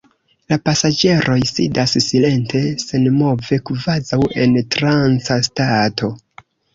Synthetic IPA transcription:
lapasad͡ʒe̞ɾʔo̞jsḭdassile̞nte̞se̞nmo̞ve̞kvazawe̞ntɾant͡sastato̞

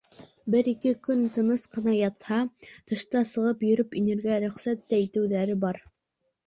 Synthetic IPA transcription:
bɘɾikɘkɵnt̪ɤ̆nɤsqɤ̆nɑjɑt̪hɑt̪ɤ̆ʃt̪ɑsɤ̆ʁɤpjɵ̆ɾɵpinɘ̆ɾɡæɾɵ̆χsæt̪ːæit̪ɘ̆wðæɾɘbɑɾ

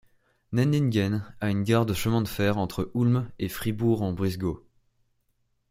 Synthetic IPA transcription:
nɛninɡɛnaynɡaʁd̪əʃəmɛ̃d̪əfɛʁɑ̃t̪χəʔulmefχibuʁɑ̃bʁizɡo

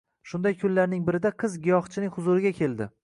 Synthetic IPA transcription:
ʃʊnd̪ajkʰʊnlaɾnɪŋbɪɾɪd̪aqʰɨzɡʲɪjɒχt͡ʃʰɪnɪŋhʊzʊɾɪɡʲakʲʰe̞ld̪ɪ

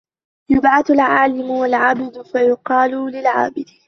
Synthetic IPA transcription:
jʊbʕaθalʕaːlɪmʊwalʕabɪd̪ʊfajʊqɑːlulɪlʕa̰ːbɪd̪

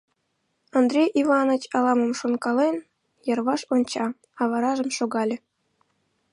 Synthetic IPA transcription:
ɑnd̪rʲejʔivɑnə̆t͡ɕɑlˠɑməmʃonkɑlen | jɤ̆rβɑʃonʲt͡ɕɑ | ɑβɑɾɑʒə̆mʃoɣɑlʲĕ

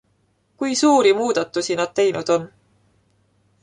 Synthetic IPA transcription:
kujsuːɾimuːd̪̥ɑt̪ːˑusinɑd̪̥̚t̪e̞jnud̪̥o̞n

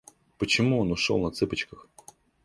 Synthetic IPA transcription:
pɔt͡ʃɪmuɔnʊʃɔ̰lˠnɐt̪sɪpɐt͡ʃkɐx

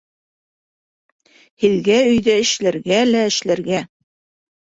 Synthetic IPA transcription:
hiðɡæɵ̆jðæɘ̆ʃlæ̆ɾɡælæɘ̆ʃlæɾɡæ

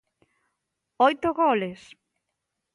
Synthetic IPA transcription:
ojt̪ʊɣoles

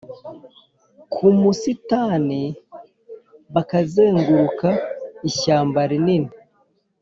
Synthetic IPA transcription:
kʰumusitani | βakazeːŋɡuɾukaiçaːmbaɾinini

